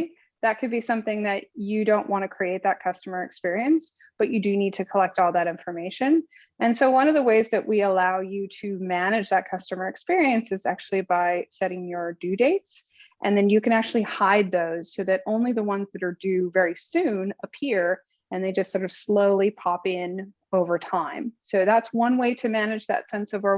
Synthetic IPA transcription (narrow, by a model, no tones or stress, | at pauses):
ðɨt̚kʰɨd̚bisʌ̃mθɪ̃ŋðɨt͡ʃɨdõʊ̃nʔwʔɑ̃ñtɨkʰɹ̥ieɪt̪̚ðɨt̚kʰʌstəmə˞ɨkspɪɹiɨ̃ns | b̥ʌt͡ʃɨdɨnid̚tʰɨkʰəlɛk̚tɔlˠðɨɾɪ̃ɱfə˞meɪʃɨ̃n | ɨ̃nsoʊwʌ̃ñʌvðəweɪzðɨʔwʔiəlaʊjɨɾɨmæñɨd͡ʒðɨt̚kʰʌstɨmə˞ɨkspɪɹiɨ̃nsɨzæ̰k̚t͡ʃʉl̩ˠibaɪsɛɾɪ̃ŋjə˞dʉdeɪts | ʔɨ̃nðɨ̃njɨkɨ̃ñæk̚t͡ʃʉl̩ˠihaɪd̪̚ðoʊz̥soʊðɨɾõʊ̃nliðəwʌ̃nzðɨɾə˞dʉvɛɹisʉ̃nəpʰɪɹ | ɨ̃nðeɪd͡ʒʌstsɔɹɾʌv̥sloʊlˠipʰɑpɪ̃n | oʊvə˞tʰãɪ̃msoʊðætswʌ̃nweɪɾɨmænɨd͡ʒðɨ̰tsɛ̃nsʌvə˞